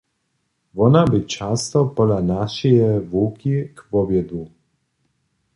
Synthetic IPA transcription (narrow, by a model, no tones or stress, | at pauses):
vɔnabit͡ʃast̪ɔpɔlanaʃijɛvuːkʰikpɔbjɛd̪u